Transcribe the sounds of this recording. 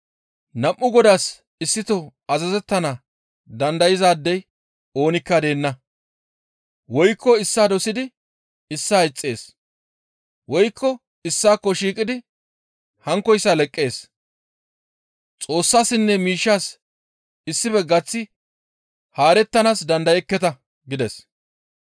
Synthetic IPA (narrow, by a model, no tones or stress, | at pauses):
nɐmʔːʊɡɔd̪aːs | ɪsːɪt̪ɔɐzɐzɛt̪ːɐnɐ | d̪ɐnd̪ɐjɪzaːd̪ːɛj | oːnɪkːɐd̪e̞ːnːɐ | wɔjkːɔɪsːaːd̪ɔsɪd̪ɪ | ɪsːaːɪt͡sʼːe̞ːs | wɔjkʰːɔ | ɪsːaːkːɔʃiːkʼɪd̪ɪ | hɐŋkːɔjsːalɛkʼːe̞ːs | t͡sʼo̞ːsːaːsɪnːɛmiːʃːaːs | ɪsːɪbɛɡɐt͡sːɪ | haːɾɛt̪ːɐnaːsd̪ɐnd̪ɐjɛkːɛt̪ɐ | ɡɪd̪ɛs